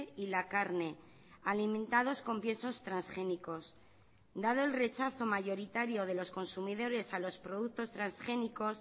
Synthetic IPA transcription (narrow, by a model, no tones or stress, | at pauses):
ilakaɾne̞ | alimẽnt̪að̞o̞sko̞mpje̞so̞st̪ɾansxe̞niko̞s | d̪að̞o̞elre̞t͡ʃaθo̞maʝo̞ɾit̪aɾjo̞ð̞e̞lo̞sko̞nsumiðo̞ɾe̞salo̞spɾo̞ð̞ukt̪o̞st̪ɾansxe̞niko̞s